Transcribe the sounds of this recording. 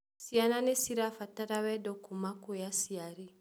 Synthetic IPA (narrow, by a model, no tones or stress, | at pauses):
siananesiɾafataɾawɛdɔkumakojasiaɾi